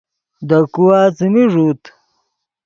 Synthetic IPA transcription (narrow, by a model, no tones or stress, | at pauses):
d̪ɐkuwaːt͡simiʐuːt̪